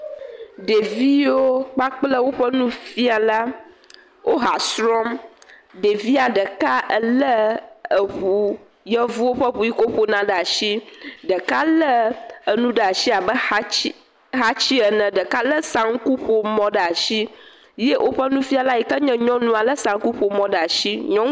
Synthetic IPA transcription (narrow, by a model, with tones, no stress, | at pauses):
ɖe˨vi˦o˦k͡pa˦k͡plə˦wo˦ɸə˦nũ˦fi˦a˨la˦ | wʔo˦ɦa˨sɾɔ˦m | ɖe˨vi˦a˨ɖə˨ka˦ʔə˦lə˦ə˨ɦu˨ | jə˦vu˦wo˦ɸə˦ɸu˨i˦ko˦ɸo˦nã˨ɖə˦˨a˨ʃi˦ɖə˨ka˦lə˦ə˨nũ˦ɖə˨a˨ʃi˦a˨bə˦i˦ | ɦa˦t͡ɕi˦ə˨nə̃˨ɖə˨ka˦lə˦sã˦ŋ˦ku˦ɸo˦mɔ̃˦ɖə˨a˨ʃi˦ | je˦ʔo˦ɸə˦nũ˦fi˦a˨la˦jɛ˨kə˦ɲɛ̃˦ɲɔ̃˦nũ˦a˨lə˦sã˨ŋ˦ku˦ɸo˨mɔ̃˨ɖə˨a˨ʃi˦ɲɔ̃˦